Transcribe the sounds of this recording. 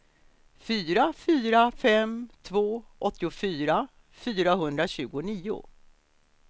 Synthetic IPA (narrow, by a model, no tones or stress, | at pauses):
fyːɾafyːɾafɛmt̪ʰvoːʔɔt̪ːɪʊfyːɾa | fyːɾaɦɵnd̪ɾaɕʉ̟ːɡʊniːʊ̰